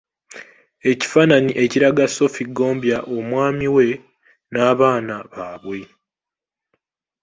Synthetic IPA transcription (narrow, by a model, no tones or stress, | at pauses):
e̞ci̥faːnaniʔe̞ciɾaɡaso̞fiɡo̞ːmbjaʔo̞mwaːmiwe̞ | naːβaːnaβaːβwe